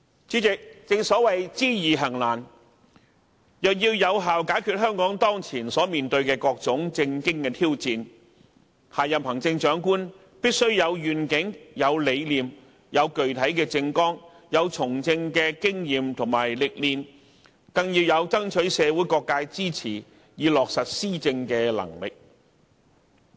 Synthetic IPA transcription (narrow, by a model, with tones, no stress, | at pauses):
t͡siː˨˥t͡sɪ˨k̚t͡sɪ˧ŋsɔː˨˥wɐ˨jt͡siː˥jiː˨ɦɐ˨˩ŋlaː˨˩n | jœː˨k̚jiː˧wjɐ˨˧wɦaː˨wkaː˨˥jkʰyː˨˧t̚hœː˥ŋkɔː˨˥ŋt̪ɔː˥ŋt͡sʰiː˨˩nsɔː˨˥miː˨nt̪ɵ˧ɥkɛː˧kɔː˧k̚t͡sʊ˨˥ŋt͡sɪ˧ŋkɪ˥ŋkɛː˧t̪ʰiː˥wt͡siː˨˧n | haː˨jɐ˨phɐ˨˩ŋt͡sɪ˧ŋt͡ʃœː˨˥ŋkuː˥n | piː˥t̚sɵ˥ɥjɐ˨˧wjyː˨˩nkɪ˨˥ŋjɐ˨˧wle˨˧jliː˨m | jɐ˨˧wkɵ˨ɥt̪ʰɐ˨˥jkɛː˧t͡sɪ˧ŋkɔː˥ŋ | jɐ˨˧wt͡sʰʊ˨˩ŋt͡sɪ˧ŋkɛː˧kɪ˥ŋjiː˨mt̪ʰʊ˨˩ŋmaː˨˩jlɪ˨k̚liː˨˧n | kɐ˧ŋjiː˧wjɐ˨˧wt͡sɐ˥ŋt͡ʃʰɵ˨˥ɥsɛː˨˧wu˨˥jkɔː˧kːaː˧jt͡siː˥t͡sʰiː˨˩ | jiː˨˧lɔː˨k̚sɐ˨t̚siː˥t͡sɪ˧ŋkɛː˧lɐ̰˨˩ŋlɪ̰˨k̚